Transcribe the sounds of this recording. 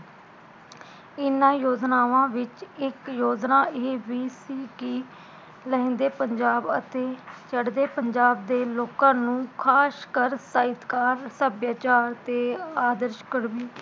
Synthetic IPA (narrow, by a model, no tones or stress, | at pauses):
ɪnãːjoːd͡ʒnaːʋãːʋɪt͡ʃɪkjoːd͡ʒnaːʔeːʋiːsiːkɪ | lɛẽnd̪eːpəɲd͡ʒaːbət̪eːt͡ʃəɽd̪eːpəɲd͡ʒaːb̚d̪eːloːkãːnũːkʰaːskəɾsaːɪt̪kaːɾsəbjaːt͡ʃaːɾt̪eːaːd̪əɾʃkəɽʋiː